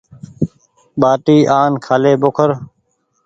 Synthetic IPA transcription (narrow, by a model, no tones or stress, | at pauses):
ɓaːʈiːʔaːnkʰaːleːbokʰəɾ